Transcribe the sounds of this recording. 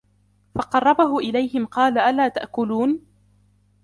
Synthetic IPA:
fɑqɑrˤːɑbaɦʊʔɪlajhɪmqɑːlaʔalaːt̪aʔkʊluːn

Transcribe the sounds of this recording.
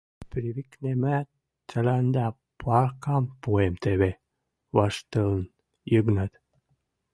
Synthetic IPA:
pɾiβiknemæ | t͡səlænd̪æ | pɑrkɑmpuemt̪eβe | βɑʃt̪əln | jəɡnət̪

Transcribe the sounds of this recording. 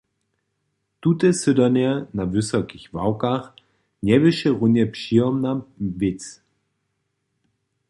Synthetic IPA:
tutəsødɐnɛnavʏsɐkɪçvawkaχ | njɛvɪʃəʁʊnjepʃiɐmnavɪt͡s

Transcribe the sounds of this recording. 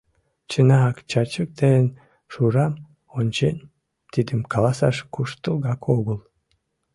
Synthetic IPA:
t͡ɕənɑɑkt͡ɕɑt͡ɕək̚t̪eən | ʃuɾɑm | onʲt͡ɕenʲ | t̪id̪əmkɑlɑsɑ̰ʃkuʃt̪əlˠɡɑkʰoɣəlˠ

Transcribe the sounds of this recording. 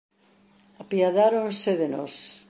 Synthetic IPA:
apiaðaɾonseðenɔs

